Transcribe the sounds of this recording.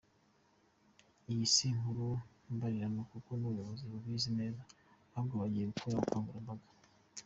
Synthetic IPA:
ijisiŋuɾu | mbaɾiɾanokukonuβujo̞βoziβuβwiːzime̞ːza | abɡoβaɟije̞ɡukʰuaɡukaːŋɡuɾambaɡḁ

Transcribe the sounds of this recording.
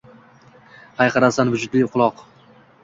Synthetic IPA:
hɑjqʰɑɾasanvʊd͡ʒʊd̪lɪjqʰʊlˠɒq

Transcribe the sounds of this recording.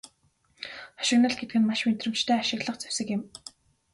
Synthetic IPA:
ɔ̥ʃɪ̆ɣnə̆ɮɡet̪̚ɡɘ̆nmaʃment̪rɘ̆mt͡ɕt̪ʰæːaʃɪ̆ɣɮə̆qt͡sæ̥wsɘ̆kɪ̆m

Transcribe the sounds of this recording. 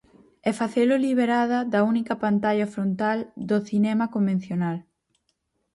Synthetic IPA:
ɛfaθeloliβ̞eɾaðɐðɐunikɐpant̪aʎɐfɾont̪ald̪oθinɛmɐkombẽn̟θjonal

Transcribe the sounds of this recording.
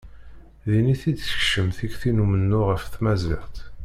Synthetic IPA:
ðiniθid̪ə̥çʃəmθiɡθinumənːʊʁəfθmæzɪ̰ʁt̪

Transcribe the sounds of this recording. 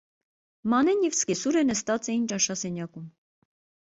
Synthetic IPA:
mɑnɛnjɛvskɛsuɾənəst̪ɑt͡sɛjint͡ʃɑʃɑsɛnjɑkum

